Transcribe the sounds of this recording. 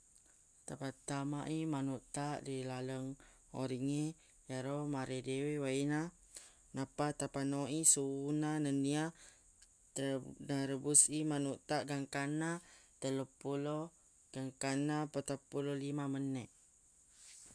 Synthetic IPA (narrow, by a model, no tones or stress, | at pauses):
t̪apat̪amaʔimanuʔt̪aʔdilaləŋ | o̰ɾiŋe | jaɾomaɾedewewaina | napat̪apanoʔisunanənia | naɾəbusimanuʔt̪aʔɡaŋkanat̪əlopulo | ɡ̥aŋkanapət̪apulolimamənɛʔ